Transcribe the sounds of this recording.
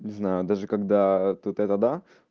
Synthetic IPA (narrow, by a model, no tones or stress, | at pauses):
nʲɪznajʊd̪aʐɨkɐɡd̪at̪ut̪ɛt̪əd̪a